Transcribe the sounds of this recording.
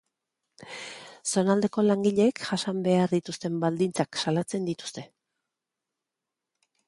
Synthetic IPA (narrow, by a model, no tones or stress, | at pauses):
so̞nald̪e̞ko̞laŋɡiʎe̞ːkʝasambe̞aɾðit̪ust̪e̞mbald̪int͡saksalat͡se̞nd̪it̪u̥st̪e̞